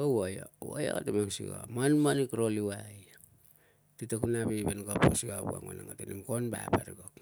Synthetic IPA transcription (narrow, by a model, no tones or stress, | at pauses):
owajouo̰jo̰atemaŋsḭɡa̰manmanikɾoliwaj | titekunaβebenɡaposiabua̰ŋo̰naŋatenimkonbapaɾiɡok